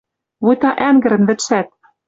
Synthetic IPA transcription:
βujt̪ɑʔæŋɡɘ̆ɾɘ̆nbɘ̆t̪ʃæt̪̚

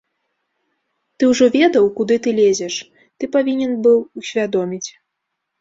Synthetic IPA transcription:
t̪ɨwʐɔvʲɛd̪ɐwkud̪ɨt̪ɨlʲezʲɛʂ | t̪ɨpavʲinʲɛnbɨwusʲvʲad̪ɔmʲit͡sʲ

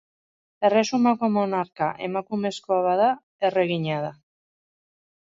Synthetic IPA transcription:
e̞re̞sumako̞mo̞naɾkaʔe̞̰makume̞skoaβaða | e̞re̞ɣiɲaða

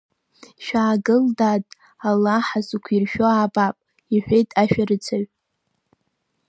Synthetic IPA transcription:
ʃᶣaːɡɨldatʼ | alaħazukʷʰirʃᶣoaːbapʼ | iħʷᶣe̞jtʼaʃᶣaɾɨt͡sʰaɥ

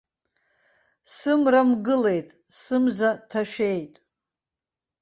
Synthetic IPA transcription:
sɨmramɡɨle̞jtʼsɨmzatʰaʃᶣe̞jtʼ

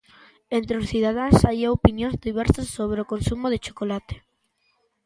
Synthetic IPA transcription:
ent̪ɾeosθiðað̞aŋsajaopinjõnzðiβɛɾsasːoβɾeokonsumoðet͡ʃo̥kolat̪e̥

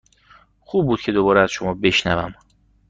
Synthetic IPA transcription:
xuːb̚buːd̪̚cʰe̞d̪obɒːɾeæz̥ʃomɒːbe̞ʃnævæ̰m

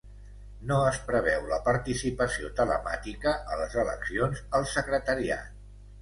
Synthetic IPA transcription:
noəspɾəβɛwləpəɾt̪isipəsiot̪ələ̰ma̰t̪ikəʔələzələ̰ksionzəlˠsəkɾət̪əɾia̰t̪

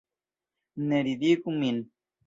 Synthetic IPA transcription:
neɾid̪ikumin

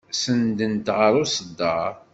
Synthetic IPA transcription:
sənd̪ənt̪ʁəɾˤusəd̪ːɑ

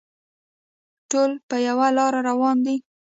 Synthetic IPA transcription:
ʈolpəjawalɑɾaɾawɑnd̪i

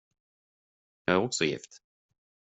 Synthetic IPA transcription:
jɑːɡæɾɔksɔjɪ̰ft̪

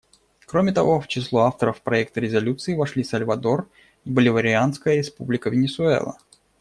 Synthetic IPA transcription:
kɾomʲɪt̪ɐvo̞ft͡ɕɪslˠuaft̪əɾəfpɾɐɛk̚t̪əɾʲɪzɐlʲut̪sɨɪvɐʂlʲisɐlʲvɐd̪o̞r | ibəlʲɪvəɾʲɪanskəjəɾʲɪspublʲɪkəvʲɪnʲɪsʊɛ̰lˠə̰

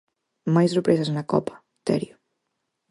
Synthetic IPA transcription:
majsrepɾesasnɐkɔ̰pɐ̥ | t̪ɛ̰ɾjʊ

